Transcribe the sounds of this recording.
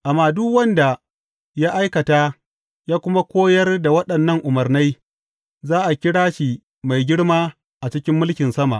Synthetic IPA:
ʔa˨mːaː˨dʊ˦kwɐ˦nda˨ | jaː˦ʔa˦jkɐ˨taː˦ | jaː˦kʷʊ˦ma˦kʷoː˦jɐ˦rda˨wɐ˦ɗɐ˨nːɐ˦ŋʔʊ˨mɐ˨rna˦j | zaː˦ʔa˨kʲɪ˦ɽaː˦ʃi˨ | ma˨jɡʲɪ˦ɽmaː˦ | ʔa˨t͡ʃɪ˦kʲɪ˦mːʊ˦lkʲɪ˨nsɐ˦ma̰˨ʔ

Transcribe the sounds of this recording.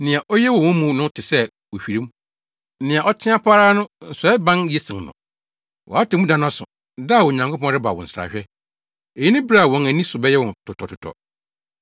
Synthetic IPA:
nɪ̃˨a˨ʔɔ˦jɛ˦wɔ̃˨wɔ̃˦mũ˨˦nʊ̃˦tʰɪ˨sɛ˦ | wo˨ɕᶣi˨ɾĩ˦m̩˦ | nɪ̃˨a˨ʔɔ˦tʰɪ̃˦a˦pʰa˦ɾaː˦nʊ̃˦n̩˨sɔ˨˦ɛ˦bã˦njɛ˦sɪ̃˨ŋnʊ̰̃˨ | wɔ̰˨a˦tɪ˨mũ˦dã˦nʊ̃˦a˦sʊ̰̃˨ | da˦˨wɔ˨ɲã˨ŋkʰo˦pʰɔ̃˦nɾɪ˦ba̰˨wɔ̰̃˨n̩˨sɾa̰˨ɕᶣɛ˦ | e˨ji˦nɪ̃˦bɾa˦˨wɔ̃˨næ˨nĩ˦sʊ˨bɛ˦jɛ˦wɔ̃˨ntʰʊ˨tʰɔ˨tʰʊ˨tʰɔ̰˨

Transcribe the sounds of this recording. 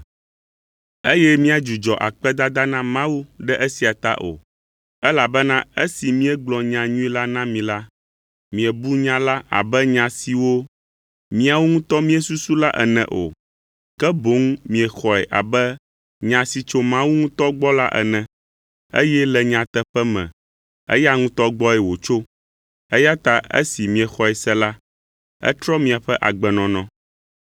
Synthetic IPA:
e˦jɛ˦mĩ˦a˨d͡ʒu˨d͡ʒɔ˨ʔa̰˨k͡pɛ˦d̪a˦d̪a˦nã˦mã˦wu˦ɖɛ˦ʔe˦si˨a˨t̪a̰˦ʔo̰˨ | ɛ˦la˨bɛ˦nã˦e˦si˨mĩ˦ɛ˦ɡ͡blɔ˨ɲã˨ɲũ˦i˦la˦nã˦mĩ˨la˦ | mĩ˨ɛ˨bu˦ɲã˦la˦a̰˨bɛ˦ɲã˨si˨wo˦ | mĩ˦a˨wu˦ŋũ˦t̪ɔ˦mĩ˦ɛ˨su˦su˦la˦ʔɛ̰˨nɛ̰̃˨ʔo̰˨ | kɛ˦bo˨˦ŋmĩ˨ɛ˨xɔ˨ɛ˨ʔa˨bɛ˦ | ɲã˨si˨t͡ʃo˦mã˦wu˦ŋũ˦t̪ɔ˦ɡ͡bɔ˦la̰˦ʔɛ̰˨nɛ̃˨ | e˦jɛ˦lɛ˨ɲã˨t̪ɛ˦ɸɛ˦mɛ̰̃˨ | ɛ̰˦ja˦ŋũ˦t̪ɔ˦ɡ͡bɔ˦ɛ˨wo˨t͡ʃo˦ | ɛ˦ja˦t̪a˨ḛ˦si˨mĩ˨ɛ˨xɔ˨ɛ˨sɛ˦la˦ | ɛ̰˦t̪ɾɔ˦mĩ˨a˨ɸɛ˦ʔa˨ɡ͡bɛ˨nɔ̃˨nɔ̃˦

